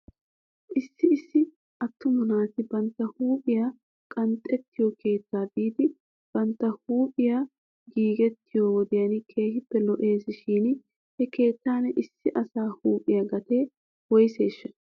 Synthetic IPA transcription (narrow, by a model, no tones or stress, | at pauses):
ʔɪsːɪːsːɪ | ʔɐt̪ːʊmʊnaːt̪ɪbɐnt̪ːɐhuːpʼɪjaː | kʼɐnt̪ʼːɛt̪ʰːɪjɔkʰe̞ːt̪ːaːb̪iːd̪ɪ | b̥ɐnt̪ːɐhuːpʼɪja | ɡiːɡɛt̪ːɪjoːwɔd̪ɪjɐnɪkʰe̞ːhɪpːɛlɔʔe̞ːsɪʃiːn | hɛke̞ːt̪ːaːnɛʔɪsːɪʔɐsaːhuːpʼɪjaɡɐt̪e̞ː | wɔjse̞ːʃːɐn